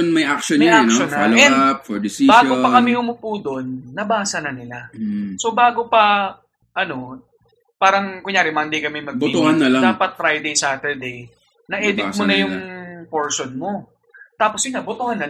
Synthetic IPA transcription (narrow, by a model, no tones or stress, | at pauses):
ʊnmɐjʔak̚ʃonmɐjʔak̪ʃonːɐɐlɐɛp̚fɔɹd̪ɪsibaːɡopɐkɐmɪhʊmʊpuːd̪o̞nːɐbaːsɐnɐnɪlaso̞baːɡopɐ | ʔɐno̞ | paːɾɐŋkʊŋjaːɾɪmaɪnd̪ejkɐmɛmɐɡbʊit̪ʊhanːɐlad̪aːpɐt̪̚fɾajd̪ejsaːt̪ɛɹd̪ej | nɐʔɛːd̪ɪmʊnɐjʊŋpoɹʃonmo̞ | t̪aːposjʊŋabʊt̪ʊhanːɐ